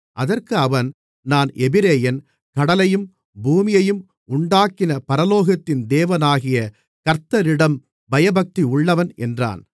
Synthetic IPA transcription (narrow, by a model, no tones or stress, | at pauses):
ʔɐðɐrkɯɐʋɐn | naːnɛbɪɾeːjɐn | kɐɽɐlɐjɯm | buːmɪjɐjɯm | ʊɳɖaːkɪnɐpɐɾɐloːɣɐt̪ːɪnd̪eːʋɐnaːɣɪjɐ | kɐɾt̪ːɐɾɪɽɐm | bɐjɐbɐk̚t̪iʊɭːɐʋɐnɛ̰ndra̰ːn